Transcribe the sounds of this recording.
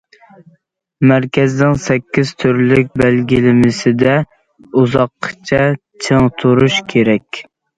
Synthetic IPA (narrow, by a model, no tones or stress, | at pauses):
mæɾkʲɛznɪŋsɛkʲːiz̥t̪ʰyɾlɪk̚ʲbælɡʲilɪmɪsɪd̪ɛ | uzɑqʰːə̥t͡ʃʰɛ | t͡ʃʰəŋt̪ʰuɾuʃkʲʰeɾɛkʲ